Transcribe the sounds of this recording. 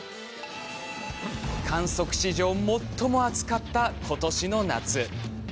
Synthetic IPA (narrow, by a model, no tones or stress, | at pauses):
kʰãɰ̃so̞kɯ̟̥ɕiʑo̞ːmo̞t̪ʰːo̞mo̞at͡sɨ̥kat̪ːakʰo̞t̪o̞ɕino̞na̰t͡sɨ